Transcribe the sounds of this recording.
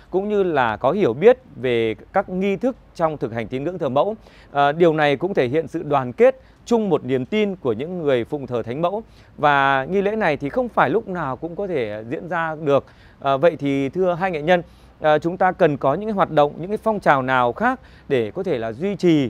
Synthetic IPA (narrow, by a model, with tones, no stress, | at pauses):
kʊ̰˧˥ŋ͡mɲɨ˧laː˨˩kɔ˨˦hi˧˩əwɓi˦˥ət̚ve˨˩kaː˦˥k̚ŋi˧t̪ʰɨ˦˥k̚t͡ɕɔ˧wŋ͡mt̪ʰɨ˨˩k̚ha˨˩ŋi˨˦nŋɨ̰˧˥əŋt̪ʰəː˨˩mə̰˧˥w | ɗi˨˩əwna˨˩jkʊ̰˧˥ŋ͡mt̪ʰe˧˩ɦḭ˧˨ənsɨ̰˧˨ɗwaː˨˩nke˦˥t̚ | t͡ɕʊ˧ŋ͡mmo˨˩t̚ni˨˩əmt̪i˧nku˧˩əɲɨ̰˧˥ŋːɨ˨˩əjfʊ̰˧˨ŋ͡mt̪ʰəː˨˩t̪ʰa˨˦jŋ̟mə̰˧˥w | vaː˨˩ŋi˧lḛ˧˥na˨˩jt̪ʰi˨˩xə˧wŋ͡mfaː˧˩jlʊ˦˥k͡p̚naː˨˩wkʊ̰˧˥ŋ͡mkɔ˨˦t̪ʰe˧˩zḭ˧˥ənzaː˧ɗɨ˨˩ək̚ | ʔvə̰˧˨jt̪ʰi˨˩t̪ʰɨ˧əɦaː˧jŋa̰˧˨ɲə˧n | ʔt͡ɕʊ˨˦ŋ͡mt̪aː˧kə˨˩nkɔ˨˦ɲɨ̰˧˥ŋaː˨˦ɦwaː˨˩t̚ɗə̰˧˨wŋ͡mɲɨ̰˧˥ŋkaː˨˦jfɔ˧wŋ͡mt͡ɕaː˨˩wnaː˨˩wxaː˦˥k̚ | ɗe˧˩kɔ˨˦t̪ʰe˧˩laː˨˩zwi˧t͡ɕi˨˩